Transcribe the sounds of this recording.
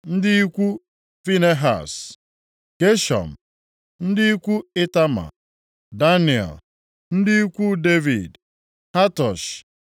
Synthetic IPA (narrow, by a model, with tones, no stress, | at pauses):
n̩˦dɪ˦i˦kʷu˦ | vi˦ne˦ɦa̰˨s | ɡ̥e˦ʃɔ̰˨m̩˨ | n̩˦dɪ˦i˦kʷu˦ɪ˦ta˦ma̰˨ | da˦ni˨ɛ̰˨l | n̩˦dɪ˦i˦kʷu˦de˦vḭ˨d | ha˦tɔ˨ʃ